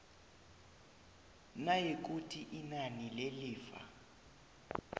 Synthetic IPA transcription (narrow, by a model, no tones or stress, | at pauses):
najek̬utʰiʔinanileliːfa̰